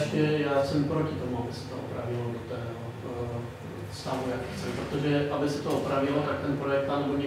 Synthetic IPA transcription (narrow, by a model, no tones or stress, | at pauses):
ʃcɛjaːsɛmpɾo̞cɪt̪o̞muabɪsɛ̥t̪oʔopɾavɪlodot̪ɛːɦo | st̪aːvujakt͡sɛpɾot̪o̞ʒɛʔabɪsɛt̪oʔopɾavɪlot̪ak̚t̪ɛnpɾo̞jɛk̚t̪ːanɛboɲɛ